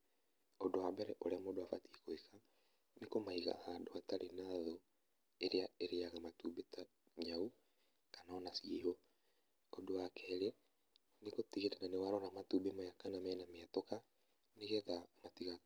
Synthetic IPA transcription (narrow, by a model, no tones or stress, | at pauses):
odowambɛɾɛʔoɾeamodowafatiekoeka | nekomaiɣa̰ðadoataɾʔenaðo | eɾeaeɾeaɣamatubeta | ɲau | kanaɔnasieɦo | odowakɛːɾe | nekotiɣetɛnanewaɾɔɾamatubemajakanamɛnameatoka | neɣeðamatiɣa